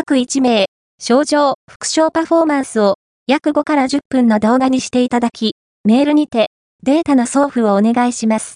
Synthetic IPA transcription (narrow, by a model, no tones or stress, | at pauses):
akɯ̟it͡ɕime̞ː | ɕo̞ːʑo̞ːɸɯ̟̥kɯ̟̥ɕo̞ːpaɸo̞ːmãɰ̃sɨo̞ | jakɯ̟ɡo̞kaɾaʑɨpːɯ̟̃nːo̞d̪o̞ːɡaɲ̟iɕi̥t̪e̞it̪ad̪akʲi | me̞ːɾɯ̟ɲ̟it̪e̞ | d̪e̞ːt̪anaso̞ːɸɯ̟oːne̞ɡaiɕimasɨ̥